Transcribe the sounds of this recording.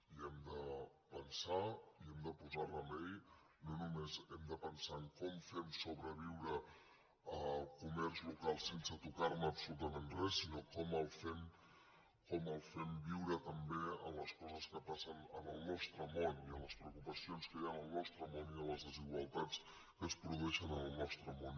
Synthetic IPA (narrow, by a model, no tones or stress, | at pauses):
iɛmd̪ə | pənsaiɛmd̪əpuzarəmɛj | nonumezɛmd̪əpənsaəŋkɔmfɛmsoβɾəβ̞iwɾə | əkumɛrzlukalˠsensət̪ukaɾməːpsulut̪əmenrɛsːinokɔməlˠfɛm | kɔməlˠfɛmbiwɾət̪əmbeə̰mləskɔzəskəpasənənəlˠnɔst̪ɾəmoniələspɾəwkupəsionskəjanəlˠnɔst̪ɾəmoniələzðəziɣwəlˠt̪at͡s | kəspɾuðuɛʃənənəlˠnɔst̪ɾəmon